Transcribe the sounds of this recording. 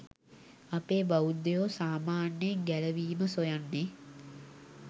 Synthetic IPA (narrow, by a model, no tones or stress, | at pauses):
apeːbaud̪ejoːsaːmaːnjəɡæləʋiːməsojanːe